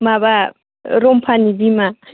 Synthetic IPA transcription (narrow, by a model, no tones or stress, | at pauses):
maβa | ɾom̩pʰanidima